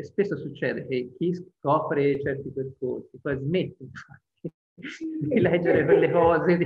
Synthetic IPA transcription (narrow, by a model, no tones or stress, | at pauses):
spesːosut͡ʃːɛːd̪ek̟ek̟ːiskɔːpɾet͡ʃɛrt̪iperkorsikwɔjzmet̪ːeɱfa | i | d̪ilɛd͡ʒːeɾepelːekɔːzed̪